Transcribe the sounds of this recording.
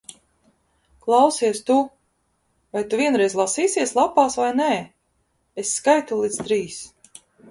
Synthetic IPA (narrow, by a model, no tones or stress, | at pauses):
klˠɑwsiɛst̪u | vajt̪uvʲiɛnɾɛjzʲlˠasiːsiɛslˠapaːsvajnɛ | esːkajt̪ulˠit̪t̪ɾiːs